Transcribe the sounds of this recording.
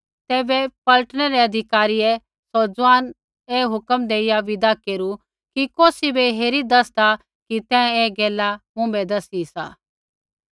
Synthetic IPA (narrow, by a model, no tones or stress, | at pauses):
t̪ɛːbɛpɐləʈɽɛɾɛɐd̪ʱɪkaːɾiɛ | sod͡zaːn | eːɦʊkəmd̪eːɪjaʋɪd̪akeːɾu | kikoːsibeɦeːɾid̪ɐsd̪a | kit̪ɛ̃eːɡɛːlamʊ̃bɛd̪ɐsisa̰ː